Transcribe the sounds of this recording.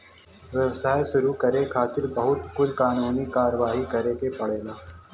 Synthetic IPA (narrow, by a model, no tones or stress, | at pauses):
ʋjəʋsaːjʃʊɾukɐɾekʰaːt̪ɪɾbɐɦʊt̪kʊlkaːnuːnikaːɾəʋaːɦikɐɾekepɐɽeːlaː